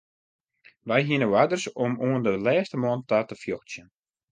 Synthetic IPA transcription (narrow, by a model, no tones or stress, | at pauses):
ʋɛjɦiənəwadərsɔmuəndəlɛːstəmɔəntatəfjɔxsjən